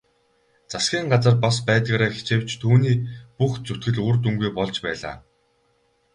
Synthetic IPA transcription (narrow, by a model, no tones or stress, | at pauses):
t͡sasɡʲiːŋɢat͡sə̆rpɔspæːt̪ɣaːɾaːxe̥t͡ɕeːw̥t͡ɕt̪ʰuːniːpuxt͡sut̪ɡɘ̆ɮurt̪uŋɡujpɔɮt͡ɕpæːɮa̰ː